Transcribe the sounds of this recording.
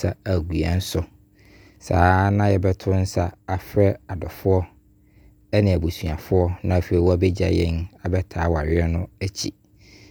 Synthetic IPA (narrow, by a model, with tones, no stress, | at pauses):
a˦æ˨ɡu˨a̰˨n̩˦sʊ˦ | saː˨˦nã˦jɛ˨bɛ˦tʰʊ˦n̩˦sa˦a˨fɾɛ˦a˨dɔ˨fʊ˦ɔ˦ | ɛ˦nɪ̃˨æ˨bu˨su˨a˨fʊ˦ɔ˦nã˦˨fe˨i˨wɔ˦æ˦bɛ˦d͡ʑa̰˨jɛ˦na˨bɛ˦tʰaː˨˦wɔ˨a˨ɥɪ˦ɛ˦nʊ̃˦æ˦t͡ɕʰḭ˨